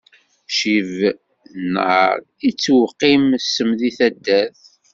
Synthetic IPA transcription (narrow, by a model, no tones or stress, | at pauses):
ʃiv | nʕə̰ɾˤ | it͡sːwqːimsəmðiθæd̪ːæθ